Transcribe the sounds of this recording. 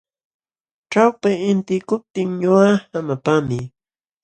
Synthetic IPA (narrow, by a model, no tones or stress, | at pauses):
ʈ͡ʂawpaɪnt̪ɪkʊp̚t̪ɪŋɲoahamatamɪ